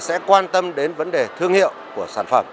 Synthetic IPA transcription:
sɛ̰˧˥kwaː˧nt̪ə˧mɗe˨˦nvə˨˦nɗe˨˩t̪ʰɨ˧əŋhḭ˧˨əwku˧˩əsaː˧˩nfə˧˩m

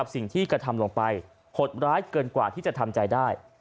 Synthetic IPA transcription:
a˨˩p̚si˨˩ŋt̪ʰiː˥˩kɾa˧t̪ʰa˧mlo˧ŋpa˧j | pʰo˨˩t̪̚ɾaː˦˥jkɤː˧nkwa̰ː˨˩t̪ʰiː˥˩t͡ɕa˨˩t̪ʰa˧mt͡ɕa˧jdaː˥˩j

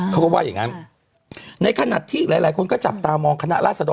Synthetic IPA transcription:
kʰɔ˥˩waː˥˩ja˨˩ŋa˦˥n | na˧jkʰa˧na̰˨˩t̪ʰiː˥˩laː˨˦laː˨˦jkʰo˧nkɔː˥˩t͡ɕa˨˩p̚t̪aː˧mɔː˧ŋkʰa˧na˦˥ʔɾaː˥˩sa˧dɔː˧

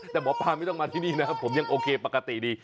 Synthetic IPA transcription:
t̪ɛː˨˩bɔː˩˦pʰaː˧ma˥˩jt̪ɔ˥˩ŋmaː˧iː˥˩niː˥˩na˦˥pʰo˩˦mja˧ŋʔoː˧kʰeː˧pa˨˩ka˧t̪i˨˩diː˧

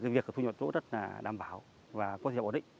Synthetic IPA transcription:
kaː˨˦vi˨˩əkːt̪u˧ɲɔ˨t͡ɕo̰˧˥zə˦˥t̚laː˨˩ɗa̰ː˨˩mɓaː˧˩˦w | vaː˨˩kɔ˨˦t̪ʰːɗḭ˧˨ŋ

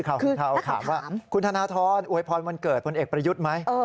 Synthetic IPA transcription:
kʰa˧˩˧kʰa˧k̪ʰa̰ː˩˦mwaː˥˩˦mkʰu˧nt̪ʰaː˧naː˧˥t̪ʰɔː˧nʔu˧˩əjpʰɔː˧nma˧nkɤː˨˩t̪̚pʰo˧nʔeː˨˩k̚pɾa˧ju˦˥t̪̚ma˦˥jɤː˧

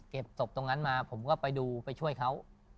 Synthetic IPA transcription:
ke˨˩p̚so˨˩p̚t̪o˧ŋna˦˥nmaː˧pʰo˩˦mkɔː˥˩pa˧jduː˧pa˧jt͡ɕʰu˥˩əjkʰa˦˥w

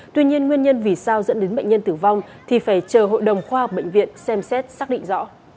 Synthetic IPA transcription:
t̪wi˧ɲi˧ənŋwi˧ənɲə˧nvi˨˩saː˧wzə̰˧˥nɗe˨˦nɓə̰˧˨ŋ̟ɲə˧nt̪ɨ˧˩va˧wŋ͡m | t̪ʰi˨˩faː˧˩jt͡ɕəː˨˩ɦo̰˧˨jɗə˨˩wŋ͡mxwaː˧hə˨˩k͡p̚ɓə̰˧˨jŋ̟vḭ˧˨ənsɛ˧msɛ˦˥t̚saː˦˥k̚ɗḭ˧˨ŋ̟zɔ̰˧˥

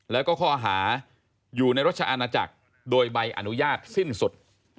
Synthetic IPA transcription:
lɛː˦˥wkɔː˥˩kʰɔː˥˩ʔaː˧ɦaː˩˦ | juː˨˩na˧jɾo˦˥t̪̚t͡ɕa˧ʔa˧naː˧t͡ɕa̰˨˩k̚ | doː˧jba˧jʔa̰˧nu˦˥jaː˥˩t̪̚si˥˩nsu˨˩t̪̚

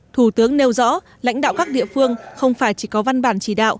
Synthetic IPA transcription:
t̪ʰu˧˩t̪ɨ˨˦əŋne˧wzɔ̰˧˥ | la̰˧˥jŋ̟ɗa̰ː˧˨wkaː˦˥k̚ɗḭ˧˨əfɨ˧əŋxə˧wŋ͡mfaː˧˩jt͡ɕi˧˩kɔ˨˦va˧nɓaː˧˩nt͡ɕi˧˩ɗa̰ː˧˨wʔ

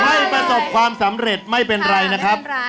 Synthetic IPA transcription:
ha˥˩jpɾa˧so˨˩p̚kʰwaː˧msa˩˦mɾe˨˩t̪̚ma˥˩jpe˧nɾa˧jna˦˥kʰɾa˦˥p̚

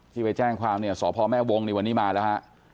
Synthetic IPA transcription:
t̪ʰiː˥˩pa˧jt͡ɕɛː˥˩ŋkʰwaː˧mni˥˩ɐsɔː˩˦pʰɔː˧mɛː˥˩wo˧ŋni˧˩wa˧nːiː˦˥maː˧lɛː˦˥ha˦˥ʔ

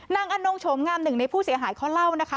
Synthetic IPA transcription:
naː˧ŋʔa˧noː˧ŋt͡ɕʰo˩˦mŋaː˧mnɯ˨˩ŋna˧jpʰuː˥˩si˩˦ɐɦaː˩˦jkʰa˦˥˩wla˥˩wna˦˥kʰa˦˥

